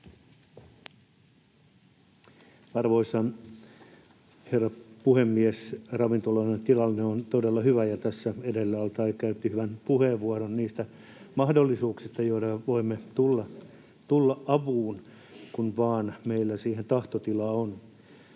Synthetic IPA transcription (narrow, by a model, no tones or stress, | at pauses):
ɑrʋoisɑn | herːɑpuhemːiesrɑʋint̪olonent̪ilɑlːneont̪odelːɑhyʋæjɑt̪æsːæedelːæɑlt̪ɑikæyt̪ːihyʋænpuheʋʋuɑɾonniːst̪æ | mɑhdolːisuːksist̪ɑjoit̪ɑʋoimːet̪ulːɑ | t̪ulːɑʔʔɑʋuːn | kunʋɑːnmeilːæsiːhent̪ɑht̪ot̪ilɑːon